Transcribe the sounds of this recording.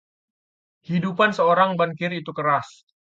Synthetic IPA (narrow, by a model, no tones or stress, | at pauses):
hidupansəoɾaŋbaŋkɪrit̪ukəɾas